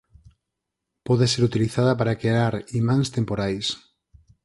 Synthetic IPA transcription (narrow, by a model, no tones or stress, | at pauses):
pɔðeseɾut̪iliθaðɐpaɾakeɾaɾimãŋst̪empoɾajs